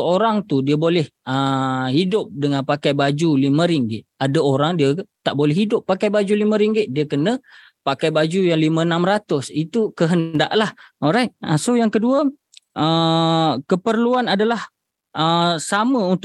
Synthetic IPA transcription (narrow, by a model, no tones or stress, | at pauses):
əoɾaŋt̪udiəbolɛhəhidʊp̚dəŋãnpakajbad͡ʒulimə̃ɾiŋɡɪt̪̚adaoɾaŋdiət̪aʔbolɛɦidʊpːakajbad͡ʒulimə̃ɾiŋɡɪt̪̚diəkənə̃ | pakajbad͡ʒujaŋlimə̃nãmɾat̪ʊsit̪ukəɦəndaʔlahoɾajt̪̚əsojaŋkəduə | ʔə | kəpərluanadalah | ʔəsamə̃unt̪